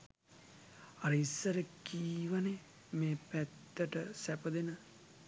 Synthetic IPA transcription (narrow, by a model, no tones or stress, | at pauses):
aɾəisːəɾəkiːʋane | meːpæt̪ːəʈəsæpəd̪enə